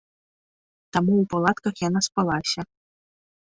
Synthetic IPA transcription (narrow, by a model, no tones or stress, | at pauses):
t̪amuːpalˠat̪kɐxjanaspalˠasʲɐ